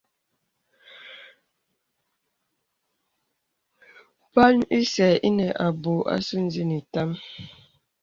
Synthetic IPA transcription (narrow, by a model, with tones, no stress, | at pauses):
pa˦li˦sɛ˨i˦nɛ˨ʔa˨bo˨ʔa̰˦su˦n̩˦zi˦ni˨ta˦m